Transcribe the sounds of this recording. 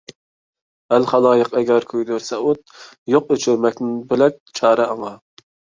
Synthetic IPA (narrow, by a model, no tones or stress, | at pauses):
ælχɑlˠɑːjəqɛɡʲɛɾkʲʰøjd̪øɾsɛut̪̚ | joqøt͡ʃʰyɾmɛk̚ʲnɪnbɪlɛk̚ʲt͡ʃʰɑːɾɛɑŋɑ